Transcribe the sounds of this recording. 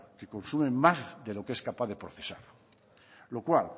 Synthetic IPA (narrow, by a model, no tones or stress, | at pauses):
keko̞nsumẽmmazðelo̞keskapaððepɾoθesaɾ | lokwal